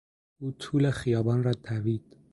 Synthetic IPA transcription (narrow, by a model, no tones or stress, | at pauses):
uːt̪ʰuːlexijɒːbɒːnrɒːt̪ʰæviːd̪̥